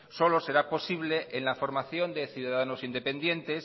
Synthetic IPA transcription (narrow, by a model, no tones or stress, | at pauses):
so̞lo̞se̞ɾapo̞siβ̞le̞ʔenlafo̞ɾmaθjo̞nd̪e̞θjuðaðano̞sind̪e̞pe̞nd̪je̞nt̪e̞s